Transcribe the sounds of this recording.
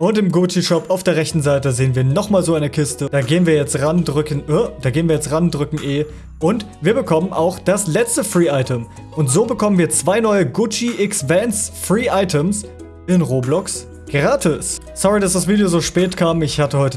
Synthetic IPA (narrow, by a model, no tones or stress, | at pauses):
ʔʊntɪmɡʊt͡ʃiʃɔpaʊfd̥eːɐʁɛçtn̩zaɪtəzeːənviːɐnɔχmaːlzoːaɪnəkʰɪstəd̥aːɡeːənviːɐjɛt͡stʁandʁʏkən̩ʔəd̥aːɡeːənviːɐjɛt͡stʁandʁʏkŋ̩ʔeː | ʔʊntv̥iːɐbəkʰɔmənʔaʊxd̥aslɛt͡stəfʁ̥iːaɪtəm | ʔʊntz̥oːbəkʰɔmənviːɐt͡sv̥aɪnɔʏəɡʊt͡ʃiʔɪksvɛnsfʁ̥iːʔaɪtʰəms | ʔɪnʁoːblɔks | ɡ̥ʁaːtʰɪs | sɔʁidasd̥asv̥iːdijozoːʃpɛːtkʰaːmɪçhatəhɔʏtə